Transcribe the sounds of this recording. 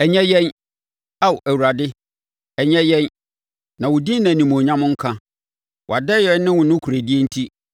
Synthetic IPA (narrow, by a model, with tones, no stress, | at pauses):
ɛ˨ɲɛ˦jɛ˦n | a˦wʔæ˨wu˨ɾa˨dɪ˦ | ɛ˨ɲɛ̃˦jɛ̃˦n | nã˨wʊ˨di˦nã˨nĩ˨m˨õ˨ɲã˦mʊ̃˦ŋ̩˦kʰã˦ | wʔa˨dɛ˦jɛ˦nɪ̃˦wʊ̃˨nʊ̃˦kʰu˨ɾæ˨di˦e˦n̩˦tʰi˦